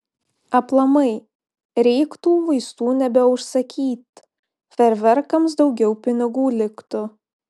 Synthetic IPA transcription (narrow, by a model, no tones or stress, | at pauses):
ɐplˠɐmɐɪ | ɾʲɛɪkt̪uːʋɐɪst̪uːnʲɛbʲɛʊʃsɐkʲiːt̪ | fʲɛɾʲʋʲɛɾkɐms̬d̪ɒʊɡʲɛʊpʲɪnʲɪɡuːlʲɪkt̪ʊ